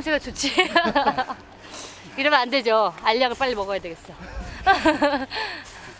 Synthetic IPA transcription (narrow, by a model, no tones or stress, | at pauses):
msʰeɡat͡ɕot͡ɕʰi | iɾʌmande̞d͡ʑoaʎːaɡɯɭp͈aʎːimʌɡʌjadwe̞ɡe̞s͈ʌo